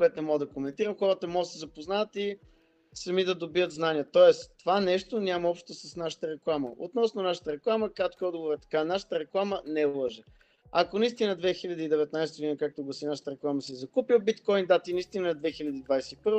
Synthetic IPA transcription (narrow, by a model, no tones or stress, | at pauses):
kʊɛt̪onɛmɔɡəd̪ɐkomɛnt̪iɾəmxɔɾət̪əmɔɡət̪sɛzɐpoznavət̪i | sɐmid̪ɐd̪obiət̪znaniət̪ɔɛsovanɛʃt̪onʲaməɔpʃt̪t̪osɐsnaʃə̥t̪əɾɛklˠamə̰o̰t̪nɔsnonaʃə̥t̪əɾɛklˠaməkɾat̪̚kiɔd̪ɡovoɾɛt̪ɐ̥kanaʃə̥t̪əɾɛklˠamənɛlˠɔʒɛ | akonɐist̪inəd̪vɛxiʎʲəd̪iːd̪ɛvɛt̪najst̪əɡod̪inəkak̚t̪oɡlˠɐsinaʃə̥t̪əɾɛklˠaməsizɐkupiwbit̪kɔjnd̪at̪inist̪inəɛd̪vɛxilʲɐd̪iːd̪vajsɛipɤɾvo